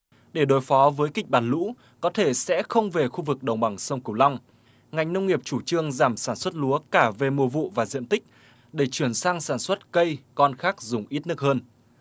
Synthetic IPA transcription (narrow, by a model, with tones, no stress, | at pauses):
ɗe˧˩ɗo˨˩jfɔ˨˦vəː˨˦jkï˨˩k̟̚ɓaː˨˩nlṵ˧˥ | kɔ˨˦t̪ʰe˧˩sɛ̰˧˥xə˧wŋ͡mve˨˩xu˧vɨ˨˩k̚ɗə˨˩wŋ͡mɓa˨˩ŋsə˧wŋ͡mkwla˧wŋ͡m | ŋa˨˩jŋ̟nə˧wŋ͡mŋi˨˩əp̚t͡ɕu˧˩t͡ɕɨ˧əŋzaː˧˩msaː˧˩nswə˦˥t̚lu˨˦əkaː˧˩ve˨˩mu˨˩əvṵ˧˨vaː˨˩zḭ˧˨ənt̪ï˦˥k̟̚ | ɗe˧˩t͡ɕwi˧˩ənsaː˧ŋsaː˧˩nswə˦˥t̚kə˧jkɔ˧nxaː˦˥k̚zʊ˨˩ŋ͡mʔi˦˥t̚nɨ˦˥ək̚həː˧n